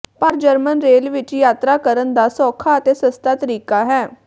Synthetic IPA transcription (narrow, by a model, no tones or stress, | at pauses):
pəɾd͡ʒəɾmənɾeːlʋɪt͡ʃjaːt̪ɾaːkəɾənd̪aːsɔːkʰaːət̪eːsəst̪aːt̪əɾiːkaːɦɛː